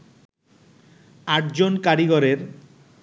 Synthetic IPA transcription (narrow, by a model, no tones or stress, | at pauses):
aʈd͡ʑonkaɾiɡɔɾeɾ